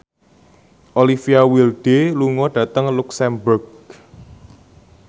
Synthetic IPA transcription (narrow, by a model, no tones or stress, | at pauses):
ʔolifiawilɖ̥eluŋɔɖ̥ä̤t̪əŋluksɛmbʊrɡ